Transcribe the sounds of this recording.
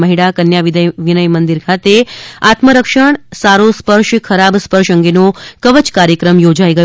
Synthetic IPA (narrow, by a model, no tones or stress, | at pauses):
məɦiɽakənjaʋid̪əjʋinəjmənd̪iɾkʰat̪eat̪məɾəkʃəɳ̃saɾospəɾʃkʰəɾabspəɾʃəŋɡenokəʋət͡ʃkaɾjəkɾəmjod͡ʒaiɡə